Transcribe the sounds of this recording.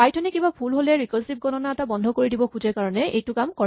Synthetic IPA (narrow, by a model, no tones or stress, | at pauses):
ajtʰɔnikibapʰulɦolɛɹikɔsip̚ɡɔnɔnaɛtabɔndʱɔkoɹidibɔkʰuzɛɹkaɹɔnɛʔejtʊkamkɔ